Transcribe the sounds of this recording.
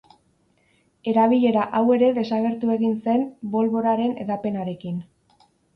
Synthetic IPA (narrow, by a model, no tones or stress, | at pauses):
e̞ɾaβ̞iʎe̞ɾaʔawe̞ɾe̞ðe̞saɣ̞e̞ɾt̪ue̞ɣinse̞mbo̞lβo̞ɾaɾe̞ne̞̰ðape̞naɾe̞kin